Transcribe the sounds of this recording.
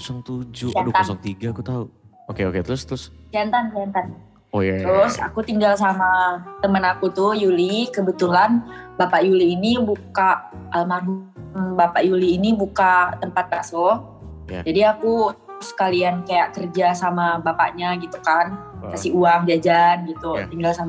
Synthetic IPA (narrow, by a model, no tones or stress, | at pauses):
saŋt̪ud͡ʒʊd͡ʒant̪ansŋt̪iɡakut̪au | okeo̰ket̪ɾʊst̪ɾʊsd͡ʒant̪and͡ʒant̪an | ojat̪ɾʊsa̰kut̪iŋɡals̬amat̪əmənakut̪ʊjulikəbət̪ulanbapaʔjuliːnibukaʔəmaɡuŋbapaʔjuliːnibukat̪əmpat̪̚ːaso | jd͡ʒadiakuskaliankajaʔkərd͡ʒasamabapa̰ʔɲaɡit̪ukan | kasiuaŋd͡ʒad͡ʒanɡit̪ut̪iŋɡalsam